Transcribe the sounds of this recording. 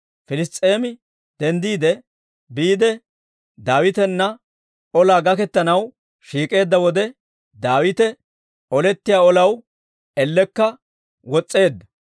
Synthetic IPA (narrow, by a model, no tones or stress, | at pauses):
fɪlɪst̪ʼːeːmɪ | d̪̥ɛnd̪iːd̪ɛ | biːd̪ɛ | d̪aːwɪt̪ɛnːɐ | ɔlaːɡɐkɛt̪ːɐnɐw | ʃiːkʼe̞ːd̪ːɐwɔd̪ɛ | d̪aːwɪt̪ɛ | ɔlɛt̪ːɪjaːɔlɐw | ɛlːɛkːɐ | wɔt͡sʼːe̞ːd̪ːɐ